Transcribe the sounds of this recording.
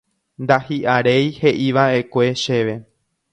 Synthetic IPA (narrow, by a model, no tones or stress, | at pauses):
nd̪ahiʔaɾe̞jhe̞ʔiʋaʔe̞kʷe̞ʃe̞ʋe̞